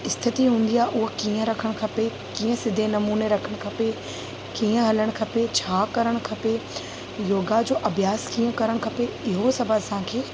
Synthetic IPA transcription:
ɪst̪ʰɪt̪iɦũːn̆d̪iaːʔʊɦkiːə̃ɾɐkʰəɽ̃kʰɐpe | kĩːə̃sɪd̪ʱenɐmuːneɾɐkʰəɽ̃kʰɐpe | kiːə̃ɦɐləɽ̃kʰɐpet͡ɕʰaːkɐɾəɽ̃kʰɐpe | joːɡad͡ʑoːʔɐbʱjaːskiːə̃kɐɾəɽ̃kʰɐpeɪɦosɐbʱəsãːkʰeː

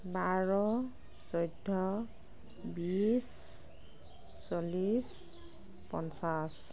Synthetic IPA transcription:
baɹɔ | sɔjdʱːɔ | bis | olis | pɔnsas

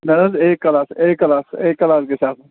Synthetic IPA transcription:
nɐɾɐzeːkːɐlaːseːkːɐlaːseːkːɐlaːskesaːt̪ʰ

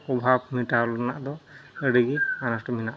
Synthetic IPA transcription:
ɔbʱab̚miʈalɔnaʔd̪ɔəɽiɡianasʈɔminaʔ

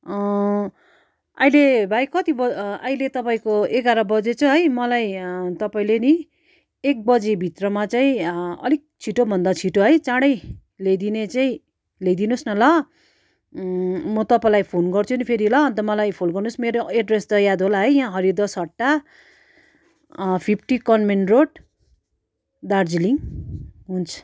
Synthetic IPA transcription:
ʌ | ʌ̰jlebʱajkʌt̪ibʌʌjlet̪ʌpaĩkoeɡaɾʌbʌd͡zet͡sʌɦʌjmʌlajt̪ʌpaĩleni | ek̚bʌd͡zebʱit̪rʌmat͡saĩʌ̰lik̚t͡sʰiʈobʱʌnd̪at͡sʰiʈoɦʌjt͡sãɽʌj | lejd̪inet͡saĩ | lejd̪inusnʌlʌ | mʌt̪ʌpãlajpʰonɡʌrt͡sʰunipʰeɾilʌʌnt̪ʌmʌlajpʰolɡʌrnusmeɾoeɖrest̪ʌjad̪ʱɦolaɦʌjjãɦʌɾid̪ʌsɦʌʈːa | pʰipʰʈikʌnmenroɖ | d̪ard͡ziliŋ | ɦunt͡sʰʌ̥

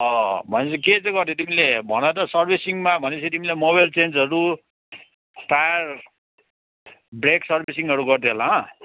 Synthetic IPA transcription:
ʌbʱʌnet͡sʰʌket͡sãɡʌrt̪ʰjot̪imilebʱʌñat̪ʌsʌrbʱisiŋmabʱʌnet͡sʰʌt̪imilemoβajlt͡send͡zʌɾu | pajʌr | breksʌrbʱis̬iŋʌɾuɡʌrt̪ʰeɦolaʌ̃

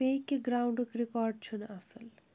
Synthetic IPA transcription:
ekːeɡɾawɳɖukɾikɔɾɖ̚t͡ʃʰunɐsəl

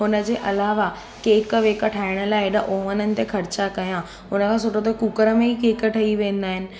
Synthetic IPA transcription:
ɦʊnə̆d͡ʑeːʔɐlaːʋa | keːkʋeːkəʈʰaːɪɽ̃əlaːɪɗɐʔoʋənənɪ̆t̪exʰɐɾt͡ɕakɐjã | ʊnəkʰãːs̬oːʈot̪̬okuːkəɾəmẽikeːkəʈʰɐiʋẽːnd̪aːɦɪnɪ̆

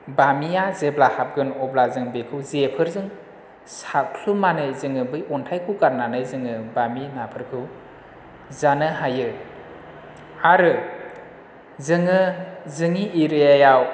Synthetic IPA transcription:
bamijazeblahap̚ɡɯnɔblazɯŋbekʰɯwzepʰɯɾzɯŋ | sakʰlumanɯjzɯŋɯbɯjɔntʰajkʰukaɾnanɯjzɯŋɯbaminapʰɯɾkʰɯw | zanɯɦajɯ | aɾɯ | zɯŋɯzɯŋiʔiɾɯjajaw

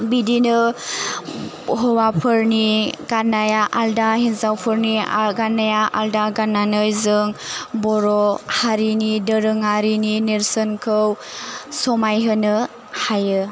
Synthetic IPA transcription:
bidinɯ | ɦɔwapʰɯɾniɡanajaʔaldahinzawpʰɯɾniaɡanajaʔaldaɡanːanɯjzɯŋbɔɾɔhaɾinidəɾɯŋaɾininiɾsənkʰɯwsɔmajɦɯnɯ | hajɯ

